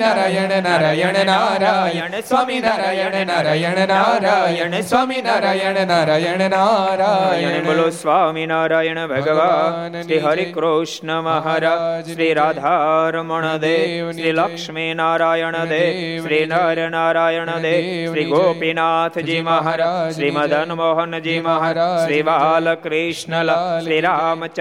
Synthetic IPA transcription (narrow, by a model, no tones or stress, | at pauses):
naɾaɾajɐnesaːminaɾajɐ | aɾajɐnesamnaɾa | a | jɐnebɐlosʋaːminaːɾaːjɐɳebʱɐɡɐʋaʃɾiɦɐɾikɾoːʂɳɐmaɦaɾaʃɾiːɾaːd̪ʱaːɾmɐɳɐd̪eːʃɾiːlɐkʂminaːɾaːjɐɳɐd̪eːʃɾiːnaːɾɐnaːɾaːjɐɳɐd̪eːʃɾiːɡoːpinaːt̪ʰd͡ʒiːmaɦɐɾaɾiːmɐd̪ʱɐnmɔːɦɐnd͡ʒiːmɐɦɐɾʃɾiʋaːlɐkɾiʂɳɐlɐʃɾiɾaːmɐt͡ʃ